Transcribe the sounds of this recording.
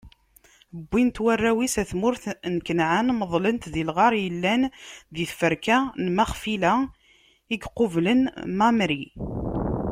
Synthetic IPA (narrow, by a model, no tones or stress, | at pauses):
əbːint̪wærːæwisæθmʊɾθnkənʕənməðˤlənt̪ðilʁɑɾˤjəlːænðiθfəɾkænmæχfilæ | iɡqovlənmæmɾi